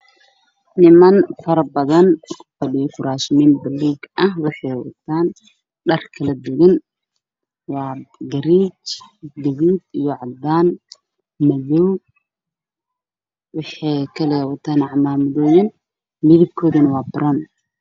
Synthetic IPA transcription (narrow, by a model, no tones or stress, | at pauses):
nɪmɐnfɐɾɐbɐðɐnkʰʊ̥fɐɖɪjɔfʊɾaːʃɪminbɐlːuːɡɐɦwɑħɑjwɐ̰t̪ʰaːn | ɖɐrkʰɐlɐd̪ɛɣɪn | wɑːɡɐɾit͡ʃɡɐβiːd̪ijɔʕɑd̪aːn | mɐðɔw | wɑħɑjkʰɐlɛːwɐt̪ʰaːnɑʕmaːmɐðɔːjɐn | mɪðɪb̚kʰɔːðɐnɐwɑːbʊɾɐn